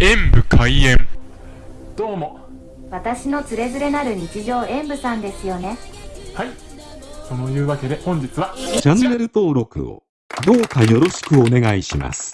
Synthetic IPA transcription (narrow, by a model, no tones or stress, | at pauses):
ẽ̞mbɯ̟kʰaiẽ̞m | d̪̥o̞ːmo̞ | βat̪aɕino̞t͡sɨɾe̞zɨɾe̞naɾɯ̟ɲ̟it͡ɕiʑo̞ːʔẽ̞mbɯ̟sãnd̪e̞sɨjo̞ne̞hai | so̞no̞jɯ̟ːβake̞d̪e̞hõ̞ɲ̟d͡ʑit͡sɨβat͡ɕãnːe̞ɾɯ̟t̪o̞ːɾo̞kɯ̟̰o̰ | d̪o̞ːkajo̞ɾo̞ɕi̥kɯ̟o̞ne̞ɡaiɕima̰sɨ̥